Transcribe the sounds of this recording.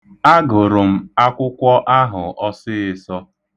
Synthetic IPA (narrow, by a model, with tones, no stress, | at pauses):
a˦ɡʊ˨ɾʊ˨m̩˦a˦kʷʊ˦kʷɔ˦ʔa˦ɦʊ˨ʔɔ˦sɪ˦ɪ˨sɔ˦